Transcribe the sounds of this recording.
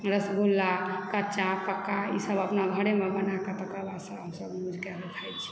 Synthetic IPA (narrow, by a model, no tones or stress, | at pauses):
ɾəsɡʱulːakət͡ʃakəkːaḭsəbəpnaɡʱəɽemebənaket̪əkəlasəbɦəmsəbmud͡ʒʱkeɾet̪ʰajt͡ʃʰi̥